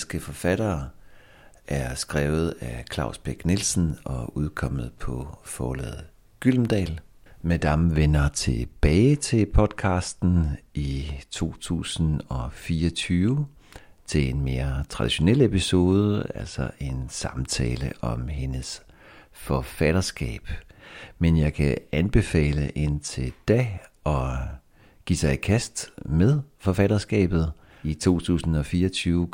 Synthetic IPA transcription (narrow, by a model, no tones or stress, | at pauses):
sɡ̥əfɒ̽fæɾ̥ɐː | ʔæɐsɡ̥ʁɛːʊð̞̩ˠækʰlɑ̈ʊsb̥eɡ̥nelsn̩ɒ̽uð̞ˠkʰɒ̽m̰ð̩ˠpʰɒ̽fɒːlɛ̰ð̩ˠ | ɡ̥yl̰m̩d̥ɛ̰ːl | med̥ɑmʋenɐt͡sʰe̝b̥ɛːɪt͡sʰe̝pʰɒ̽d̥kʰɑ̈ːsd̥n̩it͡sʰo̝̰ːt͡sʰṵːsn̩ɒ̽fiːɐɒt͡sʰyːʊə | t͡sʰe̝le̝nme̝ːɐt͡sʰʁɑ̈d̥iɕo̝nel̰episo̝ːð̞ˠəælsɒʔe̝nsɑ̈mt͡sʰɛːləʔɒ̽mɦe̝nəs | fɒ̽fæɾ̥ɐsɡ̥ɛ̰ːb̥menjɑ̈ɪkʰæænb̥e̝fɛ̰ːləʔe̝nt͡sʰe̝d̥æʔɒ̽ | ɡ̥ḭːsɑ̈ɪikʰæsd̥meðˠfɒ̽fæɾ̥ɐsɡ̥ɛ̰ːb̥ð̞̩ˠ | it͡sʰo̝̰ːt͡sʰṵːsn̩ɒ̽fiːɐɒt͡sʰyːʊ